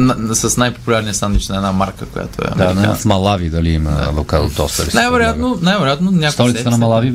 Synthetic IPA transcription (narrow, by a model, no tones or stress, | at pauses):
nsɐsnajpo̥pulʲaɾniəsanit͡ʃnɐɛnamaɾkəkoja̰t̪o̰ɛ̰d̪anɛsmɐlˠavid̪ɐliimɐ̰vokalˠt̪ɔst̪ɐ̰ɾinajvɛɾojat̪nonajvɛɾojat̪nonʲakst̪ɔɾit̪t̪ənɐmɐlˠavi